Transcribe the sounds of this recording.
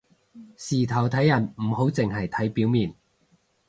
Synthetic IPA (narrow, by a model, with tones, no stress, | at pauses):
siː˨˩t̪ʰɐ˨˩wt̪ʰɐ˨˥jːɐ˨˩nm̩˨˩ho˨˥wt͡sɪ˨ŋɦɐ˨jt̪ʰɐ˨˥jpiː˨˥wmiː˨˩n